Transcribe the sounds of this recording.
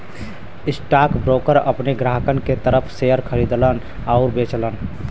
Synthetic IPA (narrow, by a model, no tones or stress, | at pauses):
ɪsʈaːkbɾoːkəɾəpneɡɾaɦkənket̪əɾəpʰsejəɾkʰəɾid̪lən | aʊɾbet͡ʃlən